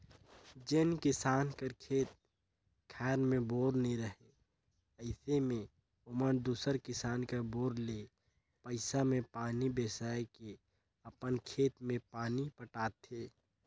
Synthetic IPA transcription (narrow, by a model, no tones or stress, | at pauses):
d͡ʒɪnkɪsaːnkəɾkʰeːt̪̚ | kʰɛːɾmẽboːɾniɾəɦe | əɪsemẽ | ʊmənd̪uːsəɾkɪsaːnkəboːɾle | pəɪsamẽpaːnibeːsaːeke | əpənkʰeːt̪mẽpaːnipəʈaːt̪eː